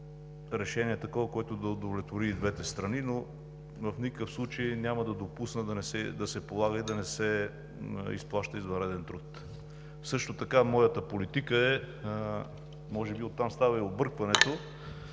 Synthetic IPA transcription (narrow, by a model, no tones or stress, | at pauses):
ɾɛʃɛniɛt̪ɐkɔvɐkoɛt̪ʊd̪ɐod̪ovlʲɛt̪voɾid̪vɛt̪ɛst̪ɾɐnino | vəfnikkəfslˠut͡ʃəjnʲaməd̪ɐd̪opusnəd̪ɐnɛsɛd̪ɐsɛpolˠaɡəid̪ɐnɛsɛ | ḭsplˠaʃt̪əizvɐnɾɛd̪ɛnt̪ɾut̪ | fsɤʃt̪ot̪ɐkamɔjət̪əpolit̪ikəɛ | mɔʒɛbiot̪ːamst̪avɐiobɤɾkvɐnɛt̪o